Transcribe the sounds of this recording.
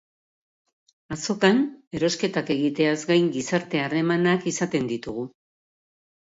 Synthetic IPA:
aso̞kane̞ɾo̞ske̞t̪ake̞ɣit̪e̞azɡajŋɡisaɾt̪e̞are̞manakisat̪e̞nd̪it̪uɣ̞u

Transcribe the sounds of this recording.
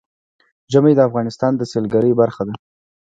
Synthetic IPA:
ʒamajd̪əafɣɑnɪst̪ɑnd̪əselɡaɾəjbaɾxad̪a

